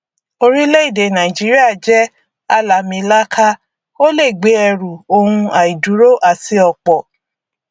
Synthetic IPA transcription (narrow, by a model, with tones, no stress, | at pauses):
o˧ɾi˦le˦i˦˨de˨nã˨i˨d͡ʒi˨˦ɾi˦a˦˨d͡ʒɛ˦ | a˧la˨mĩ˧˦la˦kʰa˦ | o˦le˦˨ɡ͡be˨˦ɛ˧ɾu˨o˧hũ˧a˨i˨du˨˦ɾo˦ʔa˦˨ti˧ɔ˧˨k͡pɔ˨